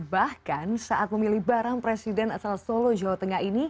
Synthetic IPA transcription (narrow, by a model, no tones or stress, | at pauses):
bahkansaʔat̪̚məmilihbaɾaŋpɾesidɛnasalsolod͡ʒawat̪əŋaɦini